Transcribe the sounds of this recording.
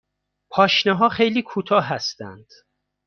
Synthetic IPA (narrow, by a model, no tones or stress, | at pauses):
pʰɒːʃneɦɒːχejliːkʰuːt̪ʰɒːɦæst̪æ̰nd̪̥